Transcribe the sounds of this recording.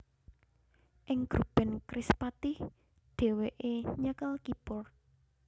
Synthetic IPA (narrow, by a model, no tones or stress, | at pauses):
ʔɪŋɡ̥ɾub̥ɛ̤nkɾispat̪ɪh | d̪̥e̤weʔeɲəkəlkipʊr